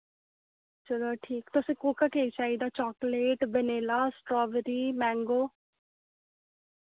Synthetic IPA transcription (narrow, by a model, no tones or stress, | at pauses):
t͡ʃəloːʈʰiːkt̪ʊsĩːkuːkaːkeːit͡ʃaːid̪aːt͡ʃɔːkleːʈbəneːlaːsʈɾɔːʋəɾiːmɛ̃ːŋɡoː